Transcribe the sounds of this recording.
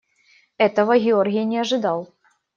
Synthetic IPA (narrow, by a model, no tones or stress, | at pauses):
ɛt̪əvəɣʲɪorɣʲɪjnʲɪɐʐɨd̪ɑlˠ